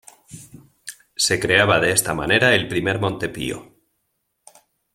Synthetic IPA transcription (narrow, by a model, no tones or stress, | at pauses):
se̞kɾe̞aβaðe̞est̪amane̞ɾae̞lpɾime̞ɾmõ̞nt̪e̞pḭo̰